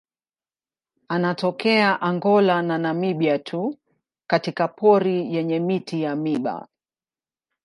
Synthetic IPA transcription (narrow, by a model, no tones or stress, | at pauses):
anatɔkɛaʔaŋɡɔlananamiɓiatʰu | katikapʰɔɾijɛɲɛmitijamiɓa̰